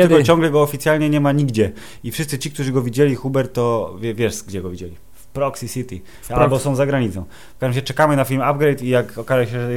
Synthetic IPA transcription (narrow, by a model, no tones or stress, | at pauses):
tlkɔt͡ɕɔ̃ŋɡlɛɡɔːfʲit̪sʲjalɲɛɲɛmaɲiɡd͡ʑɛ | ifʂɘst̪sɘt͡ɕikt̪uʐɘɡɔvʲid͡ʑɛlʲixubɛɾt̪ːɔvʲɛvʲjɛʂɡd͡ʑɛɡɔvʲid͡ʑelʲi | fpɾɔksisit̪ʲi | albɔsɔ̃w̃zaɡɾaɲit̪sɔ̃w̃ | fkaʒmaɕɛt͡ʂɛkamɘnafʲimab̚ɡɾɛjt̪ijakɔkazɛɕɛʐɛ